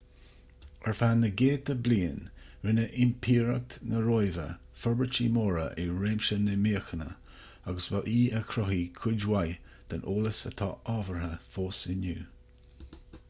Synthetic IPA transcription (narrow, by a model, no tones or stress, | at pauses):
ɛɹfanːəɡeːt̪əbliːənɹɪnəʔɪmpʰiːɹək̚t̪nəɾoːjvə̰ | fɔɹbɹət͡ʃimoːɹə̰ʔɪɹeːmʃənəmiːəxənə̰ | aɡəsvaʔiːəkʰɾɔɦikʰʊdwaj | d̪̥anoːləsə̰t̪ʰɑ̰ːʔɔːvəɹhəfoːsɪnuː